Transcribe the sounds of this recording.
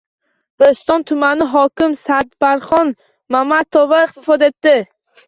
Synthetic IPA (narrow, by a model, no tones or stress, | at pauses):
b̥ɪɾst̪ɒnt̪ʰʊmanɪɦɒkʲɪmsad̪baɾχɒn | mamat̪ʰovaɪχt̪ɪfɒd̪e̞t̪ːɪ